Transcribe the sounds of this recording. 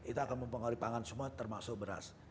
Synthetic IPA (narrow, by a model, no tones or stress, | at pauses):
it̪uakanməmpəŋaɾipaŋansəmuat̪ərmasʊk̚bəɾa̰s